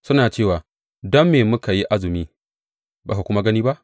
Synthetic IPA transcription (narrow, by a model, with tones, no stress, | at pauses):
sʊ˦naː˨t͡ʃeː˦˨waː˨ | dɔ˦mːeː˨mʊ˦ka˨ji˦ʔa˦zɪ˨miː˦ | ba̰ː˨ka˨kʷʊ˦ma˦ɡɐ˦niː˦ba˦ʔ